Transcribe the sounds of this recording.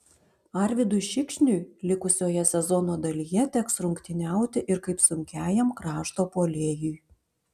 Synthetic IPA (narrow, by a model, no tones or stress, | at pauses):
ɐɾʲʋʲɪd̪ʊʃʲɪkʃʲnʲʊjlʲɪkʊsʲoːjɛsʲɛzɔnoːd̪ɐlʲijɛt̪ʲɛksɾʊŋʲkt̪ʲɪnʲæˑʊt̪ʲɪʔɪɾkɐɪpsʊŋʲkʲæːjɛmkɾɑːʃt̪oːpoːlʲeːjʊj